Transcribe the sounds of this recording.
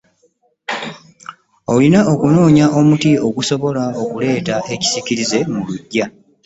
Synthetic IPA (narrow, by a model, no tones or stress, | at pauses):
o̞linao̞kuno̞ːɲaʔo̞mutio̞ɡuso̞βo̞lao̞kule̞ːtaʔe̞ci̥siciɾize̞muluɟːa